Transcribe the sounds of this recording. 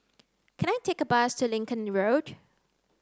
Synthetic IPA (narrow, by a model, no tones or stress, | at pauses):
kʰɛ̃ñajtʰekəbastʰulɪ̃ŋkə̃nɹod̥